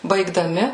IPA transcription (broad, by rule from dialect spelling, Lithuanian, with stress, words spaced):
bɐɪɡdɐˈmʲɪ